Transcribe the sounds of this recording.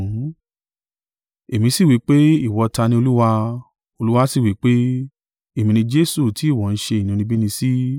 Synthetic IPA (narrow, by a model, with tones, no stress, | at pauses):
e˨mĩ˨˧˦si˦˨wi˨˦k͡pe˦i˦˨wɔ˨˧ta˧nĩ˧o˧lu˦wa˧ | o˧lu˦wa˧˦si˦˨wi˨˦k͡pe˦ | e˨mĩ˧nĩ˧d͡ʒe˦su˦˨ti˨˦i˦˨wɔ˨n̩˦ʃe˧i˨nũ˧nĩ˧bi˦nĩ˧si˦